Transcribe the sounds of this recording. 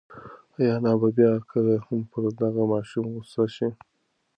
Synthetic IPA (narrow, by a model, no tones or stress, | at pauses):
ajɑnɑbabjɑkʰəlahampʰəɾd̪aɣamɑʃumɣusaʃi